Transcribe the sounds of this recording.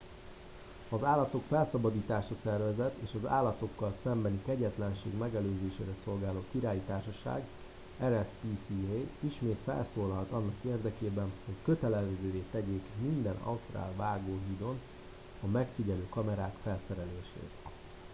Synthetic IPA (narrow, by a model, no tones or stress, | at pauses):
ɒzaːlːɒt̪o̞kfɛlsɒbɒd̪iːt̪aːʃɒsɛrvɛzɛt̪ḛːʃɒza̰ːlːɒt̪o̞kːɒlsɛmbɛnikɛɟɛt̪lɛnʃḛːɡmɛɡɛløːzeːʃḛːɾɛso̞lɡaːloːkiɾaːjit̪aːrʃɒʃa̰ːɡ | ɛɾɛspiːsieiʃmeːt̪fɛ̰lsoːlɒlt̪ɒnːɒkeːrd̪ɛkeːbɛnho̞ckø̞t̪ɛlɛzøːveːt̪ɛɟeːkmind̪ɛnɒ̰ust̪ra̰ːlvaːɡoːɦiːd̪o̞n | ɒmɛkfiɟɛløːkɒmɛɾaːkfɛlsɛɾɛleːʃḛːt̪